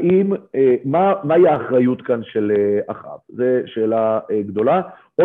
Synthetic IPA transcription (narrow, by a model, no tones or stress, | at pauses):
ʔimeːamaiaːχʁajut̪kanʃeleaχa̰vzeʃeːlaeɡd̪o̞la | ʔo